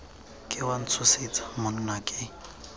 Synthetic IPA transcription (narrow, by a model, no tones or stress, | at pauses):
kʼɪwan̩t͡sʰʊset͡sʼḁmʊnʊnakʼɪ